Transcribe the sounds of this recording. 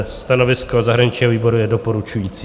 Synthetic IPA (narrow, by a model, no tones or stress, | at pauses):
st̪anovɪskozaɦɾaɲɪt͡ʃɲiɦoviːbo̞ɾujɛdopoɾut͡ʃujiːt͡sː